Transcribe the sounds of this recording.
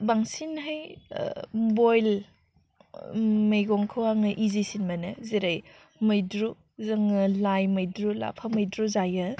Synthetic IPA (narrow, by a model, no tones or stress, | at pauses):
baŋsinɦaj | bojl | majɡoŋkʰɯwaŋɯʔizisinmɐnɯziɾaj | mɐjdɾu | zɐŋɯlajmɐjdɾula̰pʰamɐjdɾuzajɯ